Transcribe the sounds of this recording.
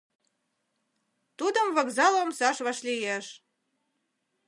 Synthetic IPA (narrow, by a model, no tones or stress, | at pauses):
t̪ud̪əmvɑkzɑlomsɑʃβɑʃlijeʃ